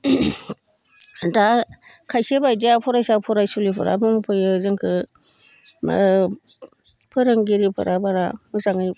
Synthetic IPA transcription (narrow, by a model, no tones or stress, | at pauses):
da | kʰajsebajdiapʰɔɾajsapʰɔɾajsulipʰɯ̰ɾa̰mɯmpʰɯjɯzɯŋkʰɯ | ma̰ | pʰɯɾɯŋɡiɾipʰɯ̰ɾabaɾamɯzaŋɯj